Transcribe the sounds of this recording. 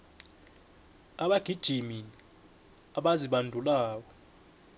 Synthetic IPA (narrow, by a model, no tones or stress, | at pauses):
aɓaɡ̥ʱid̥ʒ̥ʱimini | aɓaziɓandʱulaːk̬ɔ